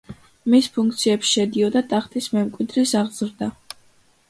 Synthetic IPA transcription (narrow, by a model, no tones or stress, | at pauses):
mispʰuŋk̚ʰt̪sʰiɛpsʃɛd̪iɔd̪at̪ʼaχt̪ʼismɛmkʼwid̪ɾisaʁz̥ɾd̪a